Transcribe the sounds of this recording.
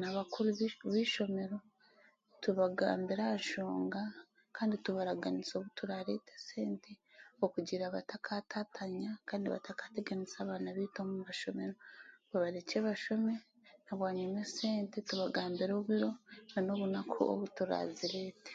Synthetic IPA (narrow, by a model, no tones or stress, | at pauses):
naβakuɾuββiʃo̞me̞ɾo̞ | tuβaɡa̰ːmbiɾaʃoːŋɡa | kʰaːndituβaɾaɡaniso̞ːβutuɾaɾeːtese̞ːnteokuɟiɾaβatakʰatʰatʰaɲakaːndiβa̰takḁteɡanisaːβaːnaβiːtomuβaʃo̞me̞ɾoβaβaɾeceːβaʃo̞me̞ | naβwaːɲumeseːntetuβaɡaːmbiɾoːβiɾo̞ano̞ːβunakʰo̰o̰βutuɾa̰ziɾeːte̥